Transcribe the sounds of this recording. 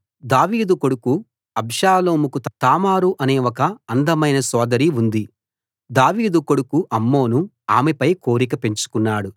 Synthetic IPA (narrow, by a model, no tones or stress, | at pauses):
d̪aːʋiːd̪uko̞ɽuku | ɐbʱʃʂaːlo̞ːmukut̪t̪aːmaːɾuʔɐneːʋɔkɐːnd̪ɐmɐjnɐsɔːd̪ɐɾiund̪i | d̪aːʋiːd̪uko̞ɽukuʔɐmːo̞ːnu | aːmɛpɐjko̞ːɾik̬ɐpe̞ɲt͡ʃu̥kunːaːɽu